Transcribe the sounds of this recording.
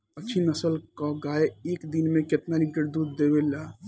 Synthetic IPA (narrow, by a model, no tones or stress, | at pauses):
ətːt͡ʃʰinəsəlkaɡaeeːkd̪inmẽket̪naɾikəɾd̪ud̪ːebela